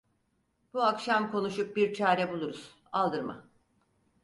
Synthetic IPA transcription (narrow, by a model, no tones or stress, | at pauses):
b̥uakʃamkʰo̞nuʃup̚biɾt͡ʃʰaːɾɛbulˠuɾuz̥ | alˠd̪ɯɾma̰